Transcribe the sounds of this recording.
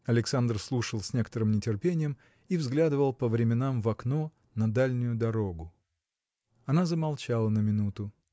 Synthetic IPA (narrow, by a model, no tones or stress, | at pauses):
ɐlʲɪksand̪r̩slˠuʂəlˠsʲnʲekə̥t̪əɾɨmnʲɪtʲɪrpʲenʲɪjəm | ivzɡlʲad̪ɨvəlˠpəvɾʲɪmʲɪnamvɐkno | nɐd̪alʲnʲʊjʊd̪ɐɾo̞ɡʊ | ɐnazəmɐlˠt͡ɕalˠənəmʲɪnut̪ʊ